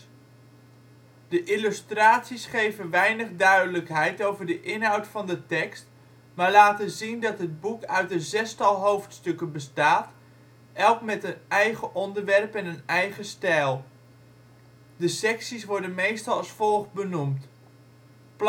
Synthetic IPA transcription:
d̥əʔɪlystraːtsisχejvənʋɛjnəχdœɥdələkɦɛjtowvəɹdəʔɪnɦɑwtfɑndətɛkst | maːɹlaːtənzindɑtɦəd̚bukœɥtənzɛstɑlˠɦowftstɵkənbəstaːt | ɛlˠkmɛtənɛjχəʔɔndəɹʋɛrpɛnənɛjχəstɛjlˠ | dəsɛksisʋɔɹdənmejstɑlˠɑsfɔlˠχbənumt | p

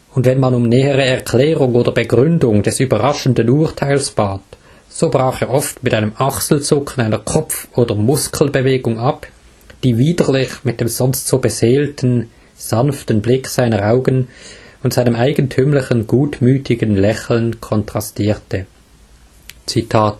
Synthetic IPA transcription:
ʊndvɛnmanʊmnɛːəʁəɛɐʁkʰl̥ɛːʁʊŋoːdɐbəɡʁʏndʊŋd̥ɛsyːbɐʁaʃn̩dənuːɐtʰaɪlsb̥aːt | z̥oːbʁaːχeːɐʔɔftmɪtaɪnəmʔaχsl̩t͡sʊkʰən̩aɪnɐkʰɔpp͡fʔoːdɐmʊskʰl̩bəveːɡʊŋʔap | d̥iːviːdəlɪçmɪt̚d̥eːmz̥ɔnstz̥oːbəzeːltʰən̩ | z̥anftən̩blɪkz̥aɪnəʁʔaʊɡənʊntz̥aɪnəmaɪɡən̩tʰyːmlɪçənɡ̥uːtmyːtʰɪɡənlɛçl̩nkʰɔntʁ̥astiːtə | t͡sitʰaːt

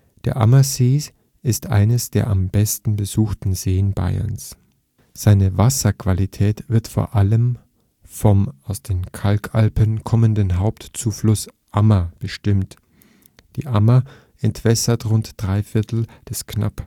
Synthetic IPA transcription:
d̥eːɐʔa̰mɐsiːs | ɪstʔa̰ɪnəsd̥eːɐʔambɛstn̩bəzuːxtn̩zeːənba̰ɪɐ̰ns | z̥aɪnəvasɐkv̥alitʰɛːtv̥ɪɐtfo̰ːɐʔaləm | fɔmʔaʊsd̥eːnkʰalkʰʔalpənkʰɔməndənɦaʊptt͡suːflʊsʔamɐb̥əʃtɪmt | d̥ḭːʔamɐ | ʔɛntv̥ɛsɐtʁʊntd̥ʁaɪfɪɐtʰl̩d̥ɛskna̰p

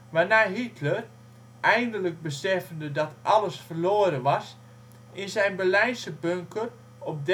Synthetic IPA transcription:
ʋanaːɦitʰlər | ʔɛjndələk̚bəsɛfəndədɔtʔɑləsfərloəɾənʋɑs | ɪnsɛjnbəlɛjnsəbøŋkər | ɔp̚d

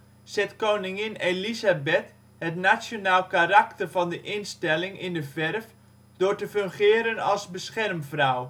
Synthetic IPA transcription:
sɛtkownɪŋɪnelizabɛt | hətnasjonaːlˠkaraktərvɑndəʔɪnstɛlɪŋɪndəvɛrf | d̥ʊːrtəføŋχɪːəɾənɑlˠsbəsχɛrmfraw

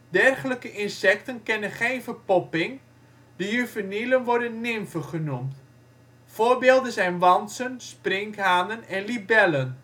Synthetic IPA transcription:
dɛrχələkəʔɪnsɛk̚tənkɪnənχeːnfərpɔpɪŋ | d̥əjyvənilənʋɔɹdənːɪmfəχənumt | foːɹbeːlˠdənzɛjnʋɑnsənsprɪŋkɦaːnənɛnlibɛlən

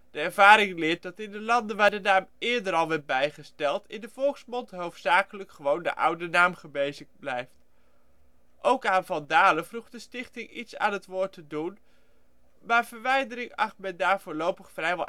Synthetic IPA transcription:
d̥əɛɹv̥aːɾɪŋlɪːɹt̚dɑtɪndəlɑndənʋaːɹdənaːmɪːɹdəɾɑlˠʋɛɹt̚bɛjχəstɛlˠtɪ̰ndəvɔlˠksmɔntɦowftsaːkələkχəʋowndə̰ʔʌ̰wdənaːmχəbejzəχblɛjft | ʔowkaːnvɑndaːləvruχdəstɪχtɪŋitsa̰ːnɦətʋʊːɹtədun | maːɹv̥əɹʋɛjdəɾɪŋɑχtmɛndaːɹv̥ʊːlowpəχfrɛjʋɑ

